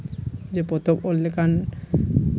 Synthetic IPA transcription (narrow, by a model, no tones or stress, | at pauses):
d͡ʑepot̪obolːekan